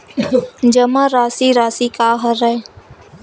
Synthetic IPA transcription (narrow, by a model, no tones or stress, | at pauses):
d͡ʒəmãːɾaːsiːɾaːsiːkaːɦəɾəe